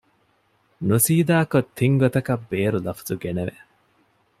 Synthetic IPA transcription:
nusiːd̪aːkot̪ʰːiŋɡot̪ɐkɐbːeːɾulɐfɐ̥zuɡeneʋeʔ

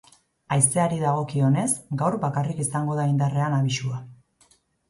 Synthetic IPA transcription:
ajse̞aɾiðaɣ̞o̞kio̞ne̞sɡawɾbakarikisaŋɡo̞ðaind̪are̞anaβiʃua

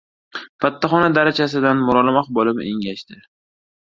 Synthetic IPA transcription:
fat̪ʰːaχɒnad̪aɾat͡ʃʰasɪd̪anmʊɾɒlɪmaχbɒlˠɪmḛŋɡʲaʃt̪ɪ

